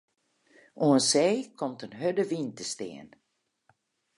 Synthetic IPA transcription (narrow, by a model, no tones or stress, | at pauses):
ʔuənseːkʰomtənɦødəʋintəstɪ̰ən